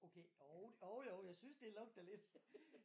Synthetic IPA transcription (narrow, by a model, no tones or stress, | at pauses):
okʰeoʊoʊjoʊjɑ̈ɪsynsd̥e̝lɔ̽ɡ̥̚d̥ɐle̝d̥